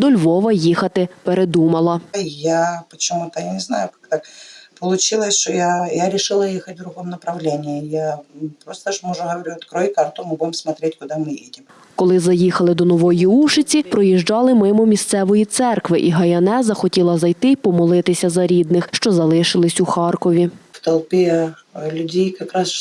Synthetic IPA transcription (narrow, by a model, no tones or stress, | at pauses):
d̪ɔlʲʋɔʋɐjixɐt̪ɪpeɾed̪umɐlˠɐjapət͡ɕɪmut̪ɐjanʲɪznajʊkak̚t̪akpəlˠʊt͡ɕilˠəsʲʃɔjajaɾʲɪʂɪlˠɐjixɐt̚ʲvd̪ɾʊɣɔmnɐpɾɐʋlʲenʲɪjɛjapɾost̪ɐʂmɔʐʊɦɐʋɐɾʲut̪kɾojkart̪ʊmɨɪbudʲɪmsmɐt̪ɾʲetʲkʊd̪amɪjḛdʲɪm | kɔlˠɪzɐjixɐlˠɪd̪ɔnɔʋɔjiuʃɪt͡sʲipɾɔjiʒd͡ʒɑlˠɪmɪmʊmʲist̪sɛʋɔjit̪sɛrkʋɪʔiɦɐjɐnɛzɐxɔtʲilˠɐzɐjt̪ɪpɔmɔlˠɪt̪ɪsʲɐzɐɾʲid̪nɪxʃt͡ʃɔzɐlˠɪʃɪlˠɪsʲuxɑrkɔʋʲift̪ɐlˠpʲe | lʲʊdʲejkɐkɾas